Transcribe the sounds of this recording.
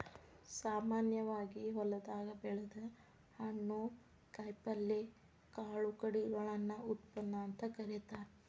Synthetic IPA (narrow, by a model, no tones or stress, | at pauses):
saːmaːnjɐʋaːɡiɦɔlɐd̪aːɡɐbɛɭɐd̪ɐ | hɐɳːu | kɐjpɐlːe | kaːɭukɐɽiɾɐɭɐnːɐut̪pɐnːɐːnt̪ɐkɐɾit̪a